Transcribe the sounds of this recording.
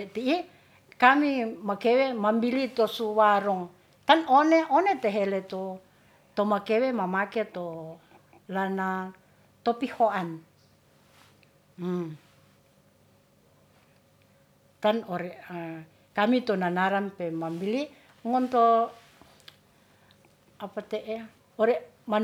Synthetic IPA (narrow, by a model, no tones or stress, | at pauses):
ɛt̪iː | kamimakewemambilit̪osuwaɾɔŋ | t̪anoneʔonet̪eɦelet̪o | t̪omakewemamaket̪o | lana | t̪opihoan | t̪anoɾɛa | kamit̪onanaɾanpemambili | ŋɔnt̪o | apat̪eʔe | oɾɛ | ma